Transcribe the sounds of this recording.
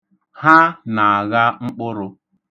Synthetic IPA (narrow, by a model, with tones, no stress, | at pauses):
ha˦na˨a˨ɣa˦ŋ͡m̩˦k͡pʊ˦ɾʊ˦